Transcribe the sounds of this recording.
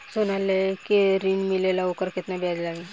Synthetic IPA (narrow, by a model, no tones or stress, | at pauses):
sunalekiɾinmilelaukəɾkit̪nabʱjad͡zlaɡe